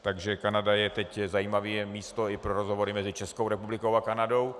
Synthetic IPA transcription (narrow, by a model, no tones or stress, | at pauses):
t̪aɡʒɛkanadajɛt̪ɛczajiːmaviːɛmiːst̪oɪpɾoɾozɦo̞vo̞ɾɪmɛzɪt͡ʃɛsko̞wɾɛpublɪkowakanado̞w